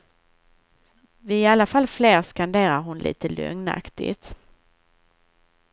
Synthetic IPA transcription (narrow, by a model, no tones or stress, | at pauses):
vɪɪalːafalfleːɾskand̪eːɾaɾɦʊnlʔḭːt̪əlɵ̰ŋna̰kt̪ɪ̰t̪